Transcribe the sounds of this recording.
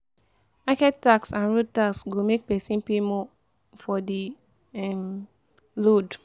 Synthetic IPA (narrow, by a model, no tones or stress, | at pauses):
pakɛt̚tːaksãnɹod̚taksɡomek̚pɛsĩnpemɔ | fɔdi | ɛm | lod